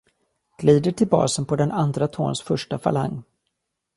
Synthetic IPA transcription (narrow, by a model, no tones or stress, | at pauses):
ɡ̥liːd̪əʈʰɪlbɑ̰ːsənpʰɔd̪ɛnand̪ɾat̪ʰo̰ːnsfœʂʈafa̰la̰ŋː